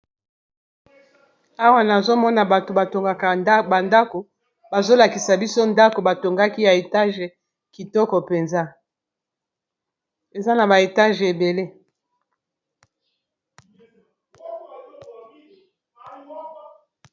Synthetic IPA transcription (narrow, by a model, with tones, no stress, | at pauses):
a˦wa˦na˨zo˦mɔ˦na˨ba˨to˨ba˨to˨ŋɡa˨ka˨˦ba˨nda˦ko˨ | ba˨zo˦la˨ki˨sa˨bi˦so˦nda˦ko˨ba˨to˨ŋɡa˦ki˦ja˨e˨ta˦ʒɛ˨ | ki˨tɔ˦kɔ˨pe˨nza˦ | e˨za˦na˨ba˨e˨ta˦ʒe˨be˨le˦